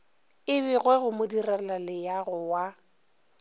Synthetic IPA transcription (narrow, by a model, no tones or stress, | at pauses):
ɪβɪɣwɛɣʊmʊdiralalɪjaɣʊwa